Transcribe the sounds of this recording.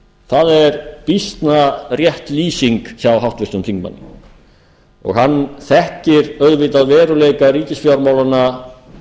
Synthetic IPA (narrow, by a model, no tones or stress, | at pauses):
θaðɛɾpist̪narjɛht̪liːsiŋksjawɦawht̪vɪst̪ʏmt̪ʰiŋkma̰nːɪ̰ | ɔ̰ɣhanːθɛhcɪɾœðvɪt̪aðvɛːɾʏleːjkaɾiːcɪsfjawɾmaːwlana